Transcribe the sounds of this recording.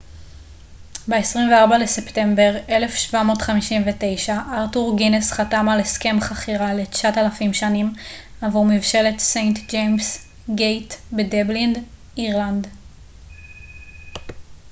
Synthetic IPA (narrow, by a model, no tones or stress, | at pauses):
beesʁimveaʁbale̞septe̞mbe̞ʁe̞le̞fʃvamo̞ːtχamiʃimvete̞jʃaʔaʁtuʁɡinesχatamaleske̞mχaχiʁalet͡ʃatalafimʃanim | avumivʃe̞le̞tsejnt̪d͡ʒejms | ɡejtbedeblind | iʁland̪